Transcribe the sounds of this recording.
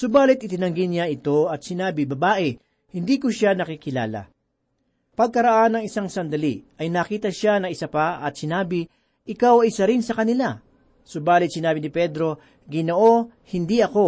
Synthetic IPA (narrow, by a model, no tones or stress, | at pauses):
sʊbaːlɪt̪̚ʔɪt̪ɪnɐŋɡɪnjaʔɪt̪o̞ɐt̪̚sɪnaːbɪbɐbaːʔɛ | hɪnd̪iːkoʃanɐkikɪla̰ːla̰ | pɐɡ̚kɐɾɐʔanɐŋɪsaŋsɐnd̪ɐliʔɐjnakiːt̪ɐʃanɐŋɪsapaʔɐt̪̚sɪnaːbɪ | ʔɪkawɪsɐɾɪnsɐkɐnɪla | sʊbaːlɪt̪̚sɪnaːbɪnɪpɛd̪ɾo̞ | ɡɪnoʔo̞ | hɪnd̪iʔɐko̞